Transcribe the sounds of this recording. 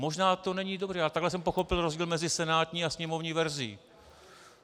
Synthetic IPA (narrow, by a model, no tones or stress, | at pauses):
mo̞ʒnaːt̪o̞nɛɲiːdobrɛːalɛt̪aɡlɛs̬ɛmpo̞xo̞pɪlɾozɟiːlmɛzɪsɛnaːt̪ɲiːasɲɛmovɲiːvɛɾzɪḭː